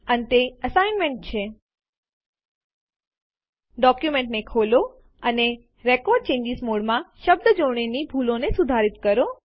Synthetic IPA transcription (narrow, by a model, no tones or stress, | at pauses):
ənet̪eəsajnmẽɳʈ̚t͡ʃʰe | ɖɔkjumeɳʈnekʰolo | əne | ɾekɔɾɖ̚t͡ʃẽɲd͡ʒismoɽmãʃəbd̪əd͡ʒoɽ̃inibʱulonesud̪ʱaɾit̪kəɾo